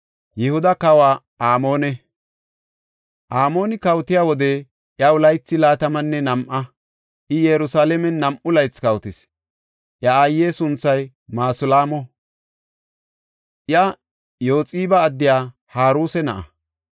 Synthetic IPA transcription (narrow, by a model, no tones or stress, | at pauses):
jɛhʊd̪ɐkɐwaː | ʔaːmoːnɛ | ʔaːmo̞ːnɪkɐwt̪ɪjaːwɔd̪ɛ | ʔjɐwʊlɐjt͡sːɪlaːt̪ɐmɐnːɛnɐmʔɐ | ʔɪjɛɾʊsaːlɛmɛnːɐmʔʊlɐjt͡skɐwt̪ɪs | ʔjɐaːjːeːsʊnt͡sːɐj | maːsʊlaːmɔ | ʔjɐ | jo̞ːt͡sʼiːbɐːd̪ːɪjaː | haːɾuːsɛnɐʔɐ̰